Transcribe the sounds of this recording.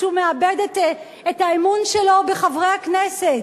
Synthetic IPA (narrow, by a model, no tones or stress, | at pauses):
umeabedet | etaimunʃelo̞beχavʁejhakneset